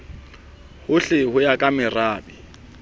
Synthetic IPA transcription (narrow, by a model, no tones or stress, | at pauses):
hʊɬɪhʊjakʼamɪraːbɪ